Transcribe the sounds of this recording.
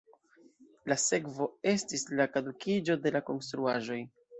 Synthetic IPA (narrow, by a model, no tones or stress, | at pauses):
lase̞kvo̞e̞stislakadukid͡ʒo̞de̞lako̞nstɾuaʒo̞j